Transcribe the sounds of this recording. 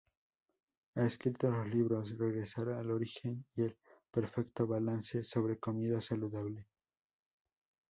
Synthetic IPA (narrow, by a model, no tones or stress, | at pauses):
aeskɾit̪olozliβɾo̞sreɣɾe̞saɾaalo̞ɾixe̞nielpe̞ɾfe̞kt̪o̞βalanse̞so̞βɾe̞ko̞miðasaluðaβle̞